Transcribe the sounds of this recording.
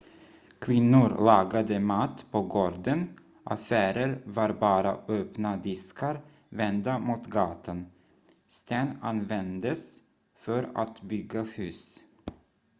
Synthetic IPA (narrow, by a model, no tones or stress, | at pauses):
kʰvɪnːʊɾlɑːɡad̪əmat̪ːpʰɔɡoːɖ̪ən | ʔa̰fæːɾəɾvaɾbɑːɾa̰øːpnad̪ɪskʰaɾ | vɛnd̪amuːt̪ɡɑːt̪ʰan | st̪ɛna̰nvɛnd̪əs | fœɾa̰t̪bʏɡːahʉ̟ːs